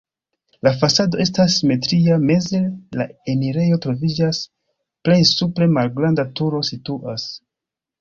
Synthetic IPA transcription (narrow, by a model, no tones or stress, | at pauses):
lafasado̞ʔe̞s̬tasːime̞tɾiame̞zela̰emiɾe̞jo̞tɾo̞vid͡ʒas | ple̞jsupɾe̞malɡɾandatuɾo̞situʔas